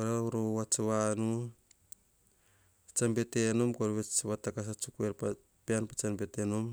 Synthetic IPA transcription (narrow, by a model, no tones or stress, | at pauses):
oɾauɾowat͡ʃaβanu | t͡ʃambetenomkoɾβet͡ʃaβatakas̬at͡ʃukueɾp | peanpat͡ʃambetenom